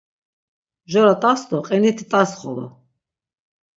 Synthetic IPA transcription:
ʒɔɾat̪ʼast̪ɔqʼɛnit̪ʰit̪ʼasχɔlɔ̰

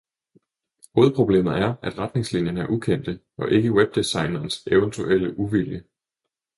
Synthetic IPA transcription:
ho̝ːð̩ˠpʰʁob̥le̝̰ːmð̩ˠæɐʔæd̥ʁad̥ne̝ŋslinjɐnəæɐʔukʰen̰d̥ə | ɒ̽ʔe̝ɡ̥əweb̥̚d̥isɑ̈ɪ̰nɐːnseʊənt͡sʰuʔel̰əʔuʋiljə

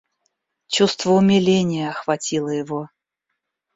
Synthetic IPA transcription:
t͡ɕust̪vəʊmʲɪlʲenʲɪjəɐxvɐtʲilˠəjɪvo

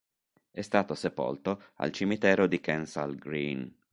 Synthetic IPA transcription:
ɛst̪aːt̪osepo̰lt̪o | a̰lt͡ʃimit̪ɛːɾod̪ikɛnsa̰lɡɾiːn

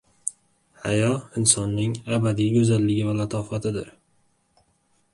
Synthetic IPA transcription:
hajɒɪnsɒnːɪŋabad̪ijɡɵzalːɪɡʲɪvalat̪ʰɒfat̪ʰɪd̪ɪ̰ɾ

